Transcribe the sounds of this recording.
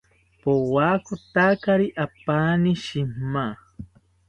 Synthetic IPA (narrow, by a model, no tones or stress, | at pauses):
powaːkʊt̪akaɾiʔapaːniʃimmːa